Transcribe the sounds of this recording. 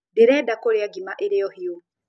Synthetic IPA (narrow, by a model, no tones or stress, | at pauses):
deɾɛdakoɾeaɡimaʔeɾeɔhio